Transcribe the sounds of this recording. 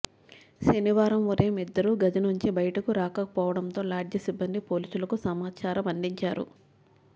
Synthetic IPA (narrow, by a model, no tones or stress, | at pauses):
ʃɐniʋaːɾɐmʋuɾeːmid̪ːɐɾuɡɐd͡ʒɐnuɲt͡ʃibɐjɐʈɐkuɾaːkɐɐpɔːʋɐɽɐnt̪o̞ːlaːɖjɐsibːɐnd̪ipo̞ːliːsulɐkusɐmaːt͡ʃaːɾɐmɐnd̪iɲt͡ʃaːɾṵ